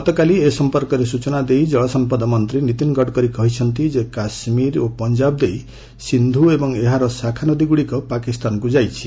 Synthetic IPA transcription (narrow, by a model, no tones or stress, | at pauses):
ɔt̪ɔkaliesɔmpɔɾkɔɾesut͡ʃɔnad̪ejd͡ʒɔɭɔsɔmpɔd̪ɔmɔnt̪ɾinit̪inɡɔɽkɔɾikɔɦit͡ʃʰɔnt̪id͡ʒekasmiɾopɔnd͡ʒabd̪ej | sind̪ʱuebɔŋeɦaɾɔsakʰanɔd̪iɡuɽikɔpakist̪anɔkud͡ʒajt͡ʃʰi̥